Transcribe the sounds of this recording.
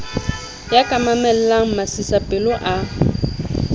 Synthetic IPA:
jakʼamamɛl̩laŋ̩masisapʼɪlʊʔa

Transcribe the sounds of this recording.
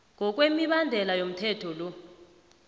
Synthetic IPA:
ŋʱɔk̬ʼwemiɓandʱɛlajom̩tʰɛtʰɔlɔ

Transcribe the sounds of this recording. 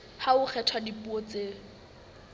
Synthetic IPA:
haʊχʰɛtʰwadipuot͡seː

